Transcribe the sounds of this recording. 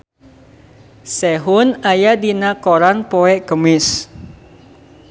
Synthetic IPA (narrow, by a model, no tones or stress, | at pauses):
sɛɦʊnajadinakoɾanpɔɛʔkəmɪs